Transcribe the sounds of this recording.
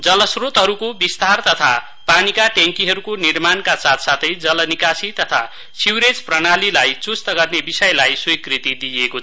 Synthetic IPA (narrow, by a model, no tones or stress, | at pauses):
d͡zʌlʌsrot̪ɦʌɾukobist̪ʰart̪ʌt̪ʰa̰ | panikaʈeŋkiɦʌɾukonirmankasat̪ʰsat̪ʰʌjd͡zʌlʌnikasit̪ʌt̪ʰa̰ | siwɾed͡zprʌnalilajt͡sust̪ʌɡʌrnebisʌjlajsujkrit̪id̪iekot͡sʰʌ